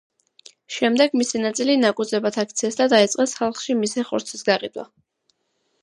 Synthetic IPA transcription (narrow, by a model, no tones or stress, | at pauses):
ʃɛmd̪ɛɡmisinat̪sʼilinakʼud̪zɛbat̪ʰak̚ʰt̪sʰiɛsd̪ad̪ait̪sʼqʼɛsχalˠχʃimisɛχɔ̰ɾt̪sʰisɡaqʼḭd̪wa̰